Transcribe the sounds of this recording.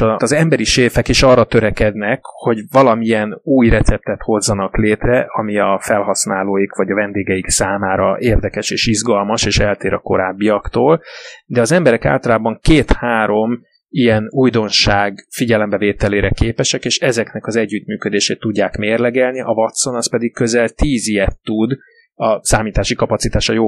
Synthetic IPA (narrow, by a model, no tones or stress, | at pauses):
ɒɒzɛmbɛɾiʃeːfɛkeːʃɒrːɒt̪ø̞ɾɛkɛd̪nɛkho̞ɟvɒlɒmiɛnuːjrɛt̪sɛp̚t̪ɛt̪ho̞zːɒnɒkleːt̪rɛʔɒmiɒfɛlɦɒsnaːloːjikvɒɟɒvɛnd̪eːɡɛiksaːmaːɾɒ̰ʔeːrd̪ɛkɛʃeːʃizɡɒlmɒʃeːʃɛlt̪eːɾɒko̞̰ɾaːbːiɒkt̪oːld̪ɛɒzɛmbɛɾɛka̰ːlt̪ɒlaːbɒŋkeːt̪haːɾo̞m | ijɛnujd̪o̞nʃaːɡfiɟɛlɛmbɛveːt̪ɛleːɾɛkeːpɛʃɛkeːʃɛzɛknɛkɒzɛɟːyt̪myːkød̪eːʃeːt̪ːuɟːaːkmeːrlɛɡɛlniʔɒvɒt̪so̞nɒspɛd̪ikkø̞zɛlt̪iːzijɛt̪ːud̪ | ɒsaːmiːt̪aːʃikɒpɒt̪sit̪aːʃɒjoː